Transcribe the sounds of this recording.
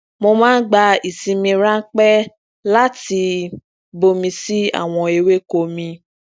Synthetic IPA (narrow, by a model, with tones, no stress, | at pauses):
mo˧mãː˦n̩˦ɡ͡ba˧i˨sĩ˧mĩ˧ɾã˦k͡pɛ˦ | la˦ti˧ | bo˧mĩ˧si˦a̰˦˨w̃ɔ̃˧e˧we˦ko˧mĩ˧